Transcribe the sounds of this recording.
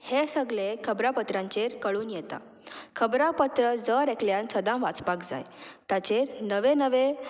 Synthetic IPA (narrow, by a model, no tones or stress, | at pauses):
hesəɡlekʰəbɾapət̪ɾãɲt͡ɕeɾkəɭuːnjɛt̪a̰ | kʰəbɾapət̪ɾəd͡zəɾekljansəd̪ãmʋat͡spakd͡za̰jt̪at͡ɕeɾnəʋenəʋe